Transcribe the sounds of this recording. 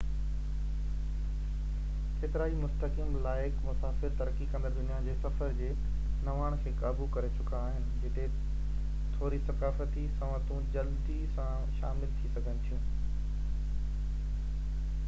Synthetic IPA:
keːt̪ɪɾaːimʊst̪əkəmlaːɪkmʊsaːfɪɾt̪ɐɾəkikɐ̃nd̪ad̪ʊnijad͡ʑeːsɐfəɾd͡ʑeː | nɐʋaːɽ̃kʰeːkaːbukɐɾet͡ɕʊkaːɦɪnɪ̆d͡ʑɪt̪ʰe | t̪ʰoːɾisɐkaːfət̪isɐ̃ʋət̪ũd͡ʑɐld̪isã | ʃa̰ːmɪlt̪ʰisɐɡʱənɪ̆t̪ʰijũː

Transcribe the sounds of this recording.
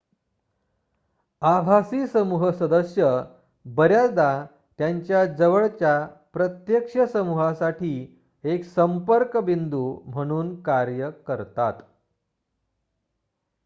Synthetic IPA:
abʱasiːsəmuɦəsəd̪əsjə | bəɾjat͡sd̪a | t̪jaɲt͡ɕjad͡zəʋəɭt͡ɕjapɾət̪jəkʂəsəmuɦãsaʈiː | eksəmpəɾkbind̪uːm̤əɽ̃uːnkaɾjəkəɾt̪at̪

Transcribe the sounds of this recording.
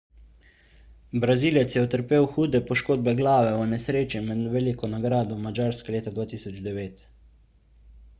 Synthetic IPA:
bɾaziːlɛt̪sjɛɔt̪əɾpeːwxuːd̪ɛpɔʃkoːd̪̚bɛɡlaːʋɛɔnɛsɾeːt͡ʃimɛd̪ʋɛlikɔnaɡɾaːd̪ɔmad͡ʒaːɾskaleːt̪ad̪ʋaːt̪iːsɔd͡ʒd̪ɛʋeːt̪

